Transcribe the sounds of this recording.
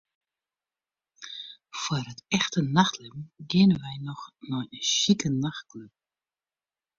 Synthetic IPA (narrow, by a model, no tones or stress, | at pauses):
fwərətɛxtənaxtʰlɛbn̩ɡɪənəʋɛjnɔxnɔjəʃikənaxtkløp̚